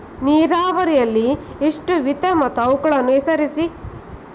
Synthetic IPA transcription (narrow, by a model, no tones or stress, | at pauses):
niːɾaːʋɐɾijɐlːi | eʂʈuʋit̪ɐmɐt̪ɐwkɐɭɐnːuesɐɾisi